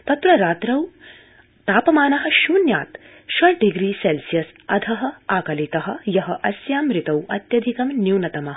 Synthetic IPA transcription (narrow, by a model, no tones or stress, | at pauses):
t̪ɐt̪ɾɐɾaːt̪ɾɐw | t̪aːpɐmaːnɐɦɐ̆ʃuːnja̰ːt̪ | ʃwɐɭɖiɡɾiːselsijɐsɐd̪ʰʱɐɦɐ̆aːkɐlit̪ɐɦɐ̆jɐɦɐʔɐsjaːmɾɪt̪ɐwɐt̪jɐd̪ʱikɐmnjuːnɐt̪ɐmɐɦ